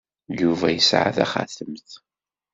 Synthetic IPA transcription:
juvæjəsʕa̰θæ̰χa̰θəmθ

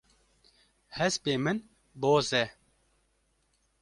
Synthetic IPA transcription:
hɛspeːmɨn | boːzɛ

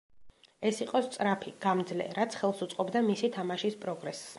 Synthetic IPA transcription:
ɛsiqʼɔst̪sʼɾapʰiɡ̥amd̪zlɛ̰ɾat̪sʰχɛlˠsut̪sʼqʼɔbd̪amisit̪ʰamaʃispʼɾɔɡɾɛs

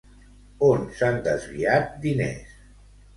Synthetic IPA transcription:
onsand̪əzβiat̪̚d̪inḛs

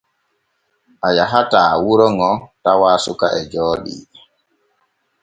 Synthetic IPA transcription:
ʔajaɦataːwuɾɔŋɔtawaːsukaʔɛd͡ʒɔːɗḭ

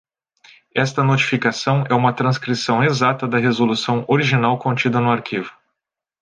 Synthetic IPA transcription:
ɛst̪ɐnot͡ʃi̥fikasɐ̃w̃ɛũmɐt̪ɾɐ̃skɾisɐ̃w̃ezat̪ɐd̪ɐɦezolusɐ̃w̃oɾiʒinawkõt͡ʃid̪ɐnʊaɾkivʊ

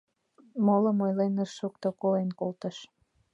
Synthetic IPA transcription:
moləmojlenərʃuk̚t̪okoenkolt̪ə̆ʃ

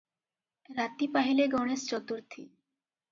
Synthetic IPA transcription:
ɾat̪ipaɦileɡɔñest͡ɕɔt̪uɾt̪ʰḭ

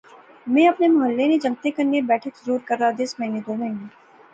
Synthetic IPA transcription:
mɛ̃ːɐpnemɐɦəlːened͡ʒɐ̃ŋt̪ekɐɾnebɛːʈʰekzoːɾkɐɾːad̪esmɐɦɪned̪oːmɛ̃ɦne

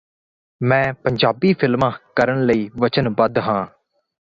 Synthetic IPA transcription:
mɛ̃ːpəɲd͡ʒaːbiːpʰɪlmãːkəɾəɳləiːʋət͡ʃənbəd̪ɦãː

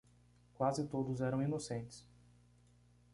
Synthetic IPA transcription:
kwazɪt̪od̪ʊzɛɾɐ̃w̃inosẽt͡ʃɪ̥s

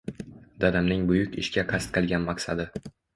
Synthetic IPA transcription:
d̪ad̪amnɪŋbʊjʊkʲɪʃkʲaqʰast̪̚qʰɨlˠɡʲanmaqsad̪ɪ

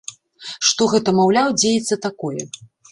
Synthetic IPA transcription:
ʂt̪ɔɣɛt̪ɐmawlʲawd͡zʲejɛt̪sːɐt̪akɔjɛ̰

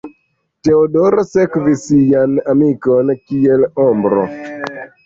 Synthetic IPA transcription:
teodoɾsekvisijanamikonkielɔmbɾo̰

